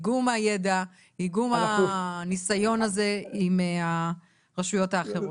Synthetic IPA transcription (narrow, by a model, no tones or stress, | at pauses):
ɡumaje̞da | iɡumanisajo̞naze̞ima | ʁaʃujo̞taːχeʁo